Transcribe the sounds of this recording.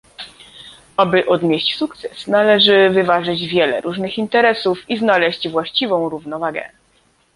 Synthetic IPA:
abɘʔɔd̪ɲʲeɕt͡ɕsukt̪sɛsnalɛʐɘvɘvaʐɘd͡ʑvʲjɛlɛ̰ɾʔuʐnɘxint̪ɛɾɛsufiznalɛɕd͡ʑvwaɕt͡ɕivɔ̃w̃ɾuvnɔvaɡɛ̰

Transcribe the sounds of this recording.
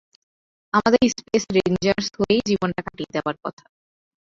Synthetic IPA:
amad̪eɾispesɾend͡ʑaɾshoejd͡ʑibonʈakaʈied̪eoaɾkɔ̰t̪ʰḁ

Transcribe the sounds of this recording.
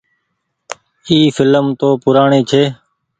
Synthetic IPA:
iːfʰɪləmt̪oːpʊɾaːɳeːt͡ʃʰeː

